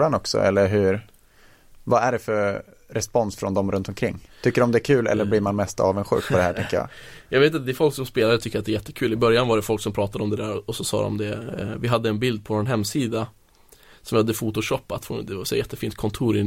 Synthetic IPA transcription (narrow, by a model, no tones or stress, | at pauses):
anɔksɔ̰ɛ̰lːəɾɦɵɾ | vaæɖɛfœɾ | ɾɛspɔnsfɾɔ̰nd̪ɔmɾɵnt̪ɔmkʰɾɪŋːt̪ʰʏkːəɾɔmd̪ɛæɾkʰʉ̟ːlɛ̰lːəɾbliːɾmanmɛst̪ɑ̰ːvənɧʉ̟ːk̚pʰɔd̪ɛhæːʈʰɛŋkəjɑ̰ːjʔɑːɡveːt̪at̪d̪ɛfɔlksɔmspeːlaɾət̪ʰʏkːɾat̪ɛæɾjɛt̪ːəkʰʉ̟ːlɪbœɾjanvaɖɛfɔlksɔmpʰɾɑːt̪ad̪əɔmd̪ɛd̪æːɾɔɔsɔsɑ̰ːd̪ɔ̰md̪ɛvɪɦad̪ːəɛnbɪld̪̚pʰɔvnɦɛmːsiːd̪a | sɔmvhad̪ːəfuːt̪ʊʂɔpːat̪foːd̪ɛasɛjːajɛt̪ːəfiːnt̪̚kʰɔnt̪ʰuːɾɪ